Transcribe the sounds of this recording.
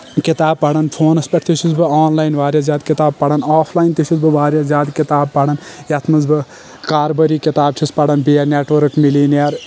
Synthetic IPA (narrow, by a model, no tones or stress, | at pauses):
kit̪aːb̚pɐɽɐnpʰoːnɐspʲɐʈ̚ʰt̪iʃʰuzbɨaːnlaːjnʋaːɾjaːzʲjaːd̪̚kit̪aːb̚pɐɽɐnaːpʰlaːjint̪iʃʰuzbɨʋaːɾʲjaːzjaːd̪kit̪aːb̚pɐɽɐnjɐt̪ʰmɐzbɨ | kaːɾbɐɾiːkit̪aːb̚t͡ʃʰispɐɽɐnbiːɐneːʈʋɐɾkmiliːnjɐɾ